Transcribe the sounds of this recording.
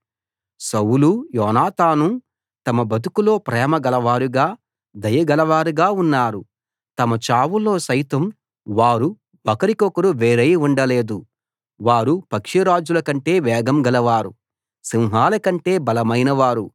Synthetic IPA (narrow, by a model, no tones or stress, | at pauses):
sɐwulujɔːnaːt̪aːnu | t̪ɐmɐbɐt̪̬ukulo̞ːpɾɛːmɐɡɐlɐʋaːɾuɡaː | d̪ɐjɐɡɐlɐʋaːɾuɡaːunːaːɾu | t̪ɐmɐt͡ʃaːwulːo̞ːsɐjt̪ɐm | ʋaːɾu | bɐkɐɾikɔkɐɾuʋeːɾɐjuɳɖɐle̞ːd̪u | ʋaːɾupɐkʂiɾaːd͡ʒulɐkɐɳʈe̞ːʋɛːɡɐmɡɐlɐʋaːɾu | siwɦaːlɐkɐɳʈe̞ːbɐlɐmɐjnɐʋaːɾu